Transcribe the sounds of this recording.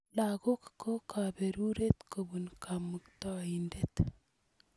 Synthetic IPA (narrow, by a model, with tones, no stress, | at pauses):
lako˦kko˦kʰa˨beɾu˦ɾe˦t̪kʰo˨bunkʰamɨ˨k̚tɔ˦indet̪